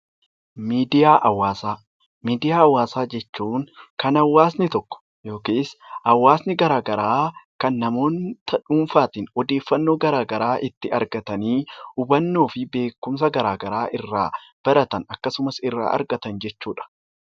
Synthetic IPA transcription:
miːd̪ɪjaːʔɐwːaːsaː | miːd̪ɪjaːɐwːaːsaːd͡ʒɛt͡ʃːuːŋkɐnɐwːaːsnɪt̪ɔkːɔ̥ | jo̞ːkiːsɐwːaːsnɪɡɐɾaːɡɐɾaːkɐnːɐmo̞ːnt̪ʰɐᶑuːnfaːt̪iːnɔd̪eːfːɐnːo̞ːɡɐɾaːɡɐɾaːʔɪt̪ːɪɐɾɡɐt̪ɐniːʊbɐnːo̞ːfɪbe̞ːkːʊms̬ɐɡɐɾaːɡɐɾaːʔɪrːaːb̥ɐɾɐt̪ɐnɐkːɐsʊmɐsɪrːa̰ːʔɐ̰ɾɡɐt̪ɐnd͡ʒɛt͡ʃːuːᶑɐ̥

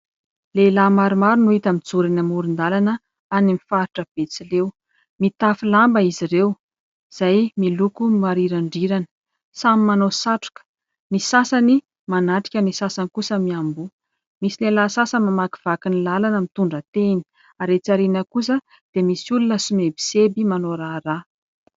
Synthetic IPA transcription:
lelamaɾumaɾunuit̪amid͡zuɾinəmuɾind̪alanə | animifaɾiʈ͡ʂəb̥et͡silew | mit̪afilambəiziɾew | z̥ajmilukumaɾiɾaɳɖ͡ʐiɾanə̥ | samimanosaʈ͡ʂu̥kə̥ | nisasani | manaʈ͡ʂi̥kʲənisasankusəmiambu | misilelasasəmamaki̥v̥akinilalanəmit̪uɳɖ͡ʐət̪eni̥ | aɾet͡saɾinəkus̬ə | d̪̥emisulunəsumebi̥sebimanoɾara

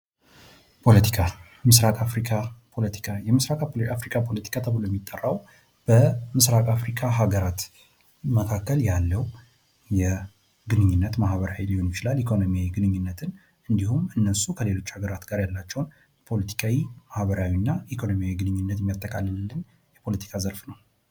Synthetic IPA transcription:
pʰo̞lət̪ʰi̥kʰa | mɨsɾakʼafɾikʰapʰo̞lət̪ʰi̥kʰajɛmɨsɾakʼafɾikʼʰapʰo̞lət̪ʰi̥kʰat̪ʰəβɨlojɛmːit̪ʼːərːaw | b̥əmɨsɾakʼafɾikʰaɦaɡəɾat̪ | məkʰakːəljalːəw | jɛ | ɡɨnɨɲːɪnːət̪mahβəɾawiliho̞nmɪt͡ʃɪlalikʰo̞no̞mijawiɡɨnɨɲːɨnːət̪ʰɨn | ɨnd̪ihumɨnːəsukʰəle̞lo̞t͡ʃːhaɡəɾat̪ɡaɾjalːat͡ʃːɛwn | pʰo̞lət̪ʰi̥kʰawimahβəɾawinːaikʰo̞no̞mijawiɡɨnɨɲːɨnːət̪jɛmːijat̪ʼːəkʼalːəllːɨn | jɛpʰo̞lət̪ʰi̥kʰazəɾfnəw

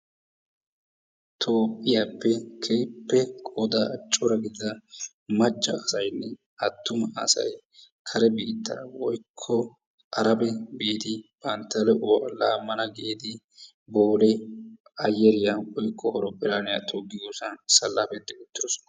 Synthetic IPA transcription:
t̪ʰoːpʼːɪjaːpːɛkʰeːpːɛkʼod̪at͡ʃʼːɔɾɐɡɪd̪ːɐ | mɐd͡ʒːɐːsɐjnːɛ | ɐt̪ːʊmɐɐ̰sɐ̰j | kʰɐɾɛbiːd̪ːɐ̰wɔjkʰːɔ | ɐɾɐbɛbeːt̪ɪb̥ʼɐnt̪ːɐlɛʔʊwɐlaːmːɐnɐɡeːd̪ɪ | boːlɛ | ɐjɛɾɪjawɔjkʼːɔhɔɾɔpʼːɪlaːnɪja̰t̪ʰoːɡɪɡosɐnsɐlːaːfɛd̪ːɛʊt̪ːɪdɔsɔ̥nɐ̥

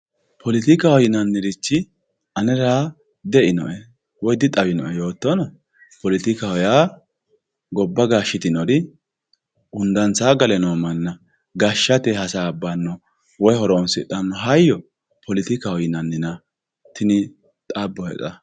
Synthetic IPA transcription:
pʰɔlɪt̪ɪkɐhɔjɪnɐnːɪɾɪt͡ʃːɪ | ʔɐnɛɾaː | d̪ɛʔɪnɔ̰ʔɛ | wɔjd̪ɪt̪ʼːɐbɪnɔʔɛjo̞ːt̪ːɔnɔ | pɔlɪt̪ɪkɐhɔjaː | ɡɔbːɐɡaːʃːɪt̪ɪnɔdɪ | ʊnd̪ɐnt͡saːɡɐlɛnoːmɐnːɐ | ɡaʃːɐt̪ɛhɐsaːbːanːɔ | wɔjhɔɾɔɔnsɪt̪ːɐnːɔɦɐjːɔ | pʰɔlɪt̪ɪkɐhɔjɪnɐnːɪnɐ | t̪ɪnɪ | t̪ʼabːɔhɛ̰t͡sʼɐ

